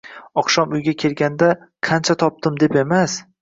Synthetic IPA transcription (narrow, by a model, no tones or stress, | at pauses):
ɒqʃɒmʊjɡʲakʲʰe̞lɡʲand̪a | qʰant͡ʃʰat̪ʰɒp̚t̪ɪmd̪e̞pe̞mas